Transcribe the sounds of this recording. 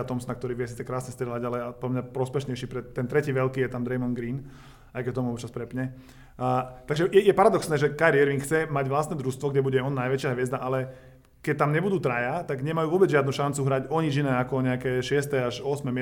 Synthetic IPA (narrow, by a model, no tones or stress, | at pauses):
at̪ɔmsnak̚t̪ɔɾiːʋɪjɛs̬iːt͡sɛkɾaːsɲɛst̪ɾɛlaɟalɛapɔlamɲapɾɔspɛʃɲɛjʃiːpɾɛt̪ːɛnt̪ɾɛciːʋɛlkiːjɛt̪amd̪ɾɛjmɔnɡɾiːn | ajkɛt̪ɔmuɔpt͡ʃaspɾɛpɲɛ | t̪aɡʒɛjɛjɛpaɾad̪ɔksnɛːʒɛkaɾiɛɾʋiŋkxt͡sɛmaɟʋlast̪nɛd̪ɾust̪ʋɔɡɟɛbuɟɛɔnːajʋɛt͡ʃɪaɦʋɪɛzd̪aʔalɛ | kɛc̚t̪amɲɛbud̪uːt̪ɾajat̪aɡɲɛmajuːʋɔbɛd͡zʒɪad̪nuʃant͡suɦɾaɟɔɲid͡ʒinɛːakɔɲɛakɛːʃɪɛst̪ɛaʃɔsmɛm